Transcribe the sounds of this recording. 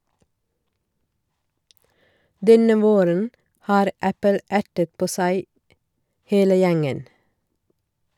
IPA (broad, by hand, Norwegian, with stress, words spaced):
ˈdɛnə ˈʋoːɾən ˈhɑːɾ ˈæpəl ˈʔæʈət ˈpoː ˈsæɪ ˈheːlə ˈjæŋən